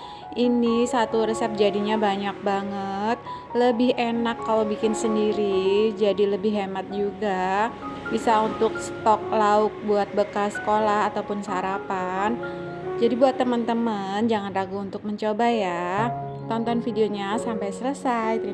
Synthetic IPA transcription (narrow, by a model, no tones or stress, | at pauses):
ʔinisat̪uɾəsɛp̚d͡ʒadiɲabaɲak̚baŋət̪̚ | ləbɪɦenakːalawbikɪnsəndiɾid͡ʒadiləbɪɦemat̪̚d͡ʒuɡa | bisaunt̪ʊk̚sə̥t̪ɔk̚laʊk̚buat̪̚bəkasə̥kolahat̪awpʊnsəaɾapan | d͡ʒadibuat̪ːəmənt̪əmənd͡ʒaŋanlaɡuːnt̪ʊk̚məɲt͡ʃobaja | t̪ɔnt̪ɔnfideoɲasampajsələsajt̪